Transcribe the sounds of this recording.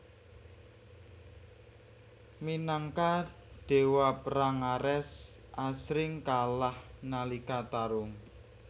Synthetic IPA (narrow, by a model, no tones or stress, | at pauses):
minaŋka | ɖ̥e̤wapɾaŋaɾɛsʔasɾɪŋkalahnalikat̪aɾʊŋ